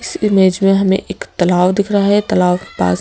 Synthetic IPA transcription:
ɪsɪmeːd͡ʒmẽɦɐmḛ̃ʔeːkt̪ɐlaːwd̪ɪkʰɾaɦɛt̪ɐlaːwpa̰ːs

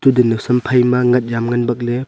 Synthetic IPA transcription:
tudenɐsɐmpʰajmɐŋɐt̚jamŋɐnbɐk̚le

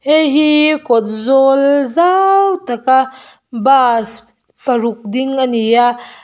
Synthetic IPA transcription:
eɦikot̪̚zolzawt̪aka | bas | pɐɾuk̚d̪iŋanija

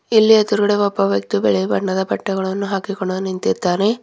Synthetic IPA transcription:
ilːijɐt̪uɾɐɽeʋɔpːɐʋjɐk̚t̪ubɛɭebɐɳːɐd̪ɐpɐʈːɐɡɐɭɐnːuɦaːkikoɳːonint̪iɾt̪ːaːne

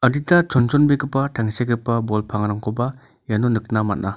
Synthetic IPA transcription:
ɐɾitat͡ʃʰɔnt͡ʃɔnbekɯpːatʰaŋseɡɯpːabɔlpʰaŋɾaŋkoba | janunɯk̚namatna

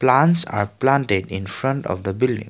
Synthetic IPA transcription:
plansa̰ɾplãntedĩnfɾʌ̃ntɔ̰fd̪əbildḭ̃ŋ

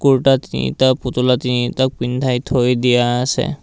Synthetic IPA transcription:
kuɹʈat̪inḭt̪aput̪ulat̪init̪ɔk̚pind̪ʱajt̪ʰojd̪ijaːsɛ̰

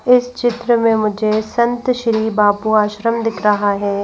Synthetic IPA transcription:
ɪst͡ʃɪt̪ɾəmẽmʊd͡ʒʱesɐ̃nt̪ʃɾiːbaːpuaːʃɾəmd̪ɪkʰɾɐɦaɦɛː

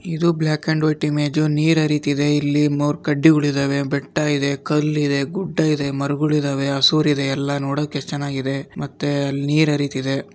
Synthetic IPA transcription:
id̪ubljaːkeɳɖʋɐjʈimeːd͡ʒoniːɾɐɾiːt̪iid̪e̞ilːimoːɾkɐɖːiuɭid̪ɐːʋe̞bɛʈːɐid̪ekɐlːid̪e̞ɡuɖːɐid̪e̞mɐɾɡuɭid̪ɐʋeɐsuːɾid̪e̞ːlːɐnoːɽoːkːet͡ʃːɐnaːɡid̪e̞mɐt̪ːeɐlːniːɾɐɾiːt̪id̪e̞

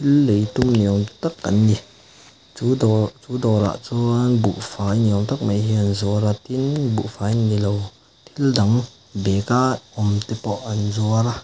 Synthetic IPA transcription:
t̪ʰilːejt̪umniɔŋt̪akːanɡi | t͡sudɔt͡sudɔɾa̰ʔt͡suanbṵʔfaːjniɔŋt̪ak̚majɦianzuaɾat̪inbṵʔfajnilow | t̪ʰildaŋ | bɛkaɔmt̪ɛpɔʔɐnzuaɾa

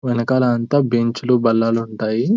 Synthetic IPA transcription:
ʋɛnɐkaːlɐːnt̪aːbeɲt͡ʃulubɐlːaːluɳʈaːji

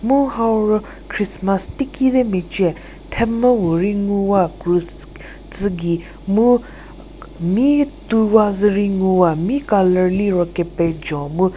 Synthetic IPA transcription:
muhawɾɔ | kʰɾismastikʰiðɛmet͡ʃiɛ | t̪ʰɛməwuɾiŋuwakɾus | t͡sɨɡi | mu | mit̪uwazɨɾiŋuwamikaləliɾɔkɛpɛd͡ʒɔ̃mu

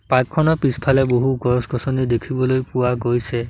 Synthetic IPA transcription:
pakʰːɔnɔpispʰalɛboɦuɡɔɹsɡɔsɔnidekʰibɔlojpʊwaɡojsɛ

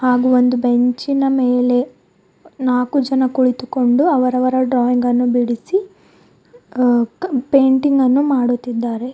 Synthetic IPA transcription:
haːɡuo̞nd̪ube̞ɲt͡ʃinɐmeːle̞ | naːkud͡ʒɐnɐkuɭit̪uko̞ɳɖuɐʋɐɾɐʋɐɾɐɖɾɔːiŋɡɐnːubiɽisi | pe̞ːɳʈiŋɡɐnːumaːɽut̪ːid̪ːaːɾe̞

